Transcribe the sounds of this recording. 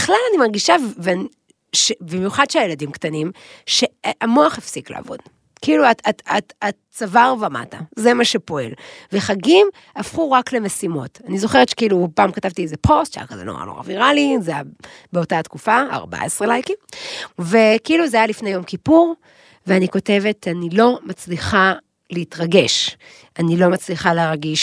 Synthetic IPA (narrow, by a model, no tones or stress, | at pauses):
biχlalanimaʁɡiʃavvean | ʃebimjuχadʃeajeladimktanimʃe̞ʔamoaχefsikla̰ːvo̞̰d | kiiluaaaa | t͡savaʁvama̰taze̞maʃepo̞e̞̰lveχaɡim | afχuʁakle̞mesimo̞tanizo̞χeʁet̪ʃe̥kiːlupaːmkatavtiezepʰo̞stt͡ʃa̰kazḛlo̰ʁa̰lo̰ʁa̰viʁalizejabeo̞tatkufaa̰ʁba̰esʁelajkive̞kiiluzeajalifne̞jo̞mkipuʁ | veaniko̞te̞ve̞tanilo̞mat͡sliχa | leitʁaɡe̞ʃ | ʔanilo̞mat͡sliχaleʁɡiʃ